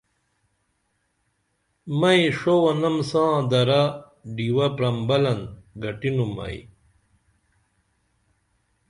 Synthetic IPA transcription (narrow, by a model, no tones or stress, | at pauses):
mɐjʂowɐnɐmsãːd̪ɐɾa | ɖiwɐpɾɐmbɐlɐnɡɐʈinumːɐ̰ḭ